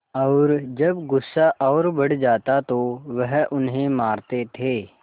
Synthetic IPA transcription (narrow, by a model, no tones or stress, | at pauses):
ɔːɾd͡ʒɐbɡʊsːaʔɔːɾbɐɽ̤d͡ʒaːt̪at̪oʋəɦʊnɦẽmaːɾt̪et̪ʰeː